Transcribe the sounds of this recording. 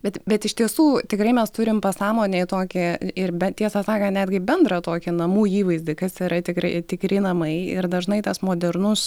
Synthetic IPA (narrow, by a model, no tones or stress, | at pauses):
bʲɛt̪bʲɛt̪ɪʃʲt̪ʲiɛsuːt̪ʲɪkɾɐɪmʲɛst̪ʊɾʲɪmpɐsɑːmoːnʲeɪt̪oːkʲɪɪɾbʲɛt̪ʲiɛsɐsɑːkɐnʲæːd̪ʲɡʲɪbʲɛnd̪rɐt̪oːkʲɪnɐmuːiːʋɐɪzʲd̪ʲɪkɐsiɾɐt̪ʲɪkɾɐɪt̪ʲɪkɾʲɪnɐmɐɪɪɾd̪ɐʒnɐɪt̪ɐsmoːd̪ʲɛɾnʊs